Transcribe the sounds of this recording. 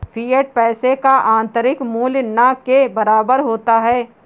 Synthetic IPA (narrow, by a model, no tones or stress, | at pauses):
fʰiːəʈ̚pɛːsekaʔãːnt̪əɾɪkmuːljnakebɐɾaːbəɾɦoːt̪aɦɛː